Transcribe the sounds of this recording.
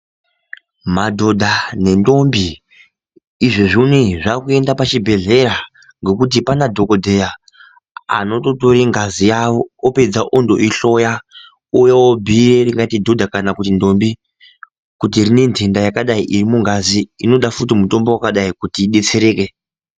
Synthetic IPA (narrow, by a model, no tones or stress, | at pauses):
madʱo̞dʱane̞ndo̞mbi | ʐeʐuniʐakue̞ndapat͡ʃibʱe̞ɮe̞ɾa | ŋɡe̞kut̬ipanadʱo̞ko̞dʱe̞ja | a̰no̞to̞to̞ɾiŋɡazijaʋo̞ːpe̞d͡zaʔondo̞ʔiɬo̞ja | ujawobʱireriŋɡatidʱo̞dʱakanakutindo̞mbi | kut̬irine̞ndendajakaɗaiʔirimuŋɡaziino̞ɗafutimuto̞mbowakaɗaikutiːɗe̞t͡se̞ɾe̞ːke̞